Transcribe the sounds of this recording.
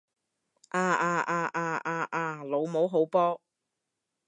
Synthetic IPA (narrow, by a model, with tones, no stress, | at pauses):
ʔaː˧aː˧ʔaː˧ʔaː˧ʔaː˧ʔaː˧lo˨˧wmo˨˥wɦo˨˥wpɔː˥